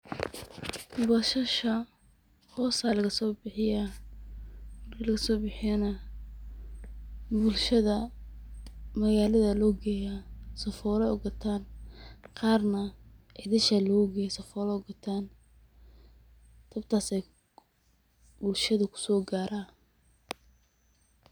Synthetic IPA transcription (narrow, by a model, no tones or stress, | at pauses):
bɐʃɐʃɐ | hɔːsaːlɐɣɐsɔːbɪħɪja | lɐɡɐsɔːbɪħɪjɐnɐ | bʊlʃɐðɐ | mɐɣaːlɐðɐlɔːɡɛːjasɔfɔːlɛɔɡɐt̪ʰaːnqɑːrnɐʕiðɐʃɐlɔːɡɛːjsɐfɔːlɛɔɡɔt̪ʰaːn | t̪ʰɐbt̪ʰaːsɛj | bʊlʃɐðɐkʰʊ̥sɔːɡaːɾaː